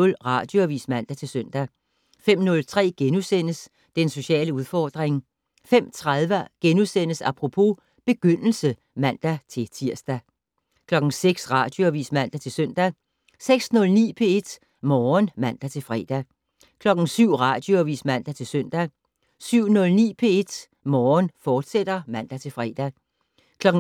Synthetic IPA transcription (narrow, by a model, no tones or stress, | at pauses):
ɔlʁɑ̈d̥joæʋḭːsmæn̰d̥æt͡sʰe̝lsøn̰d̥æ | fem̰nɔ̽lt͡sʰʁɛ̰ːɡ̥enusen̰əs | d̥enso̝ɕɛ̰ːləuðˠfɒːd̥ʁeŋ | fem̰t͡sʰʁaðˠʋəɐɡ̥enusen̰əsæpʰʁo̝pʰo̝ | b̥e̝ɡ̥øn̰l̩sə | mæn̰d̥æt͡sʰe̝t͡sʰiɐ̰sd̥æ | kʰlɒ̽ɡ̥n̩seɡ̥sʁɑ̈d̥jo̝æʋḭːsmæn̰d̥æt͡sʰe̝søn̰d̥æ | seɡ̥snɔ̽lnḭːpʰe̝e̝d̥ | mɒːnmæn̰d̥æt͡sʰe̝lfʁɛ̰ːd̥æ | kʰlɒ̽ɡ̥n̩syʊ̰ʁɑ̈d̥jo̝æʋḭːsmæn̰d̥æt͡sʰe̝lsøn̰d̥æ | syʊ̰nɔ̽lnḭːpʰe̝e̝d̥ | mɒːnfɒːd̥sed̥ɐmæn̰d̥æt͡sʰe̝lfʁɛ̰ːd̥æ | kʰlɒ̽ɡ̥̩